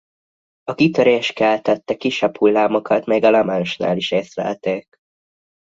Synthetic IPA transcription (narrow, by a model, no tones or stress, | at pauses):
ɒkit̪øɾeːʃkɛlt̪ɛt̪ːɛkiʃɛphulːaːmo̞kɒt̪mɛjɡɒlɛmanoʃna̰ːliʃeːst̪lɛ̰ːt̪eːk